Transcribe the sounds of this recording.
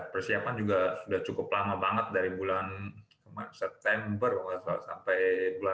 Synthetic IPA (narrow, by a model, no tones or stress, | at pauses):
pərsiapand͡ʒuɡasudaht͡ʃukʊplamabaŋət̪̚daɾibulankəmasɛp̚t̪ɛmbəraŋasasa̰mpajbula